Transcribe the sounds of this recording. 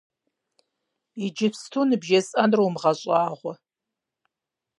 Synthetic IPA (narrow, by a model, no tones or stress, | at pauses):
id͡ʒɪfstʰunɨbʒɐzʼɐnrowmʁɐɕʼaːʁʷɔ